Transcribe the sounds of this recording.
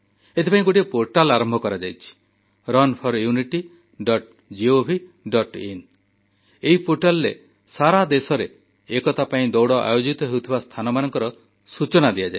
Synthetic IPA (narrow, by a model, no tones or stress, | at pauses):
et̪ʰepaĩɡoʈiepoɾʈalaɾɔmbʱɔkɔɾad͡ʒajt͡ʃʰi̥ | ɾɔnpʰɔɾjuniʈi | ɖɔʈ | d͡ʒiobʱiɖɔʈin | eɦipoɾʈalɔɾḛ | saɾad̪esɔɾeː | kɔt̪apaĩd̪ɔwɽɔʔa̰jod͡ʒit̪ɔɦewt̪ʰibast̪ʰanɔmanɔŋkɔɾɔ | sut͡ʃɔnad̪iad͡ʒa